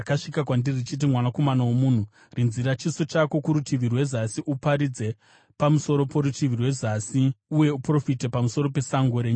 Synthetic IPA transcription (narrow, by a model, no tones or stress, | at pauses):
akaʂikakwandirrit͡ʃit̬imwanako̞manawomuːn̤u | rinziɾat͡ʃiso̞t͡ʃako̞kuɾutiʋirwe̞zasiʔupaɾid͡ze̞ | pamuso̞ɾo̞po̞ɾutiʋirwe̞zasiuje̞upro̞fite̞pamuso̞ɾo̞pe̞saŋɡo̞ɾeːɲu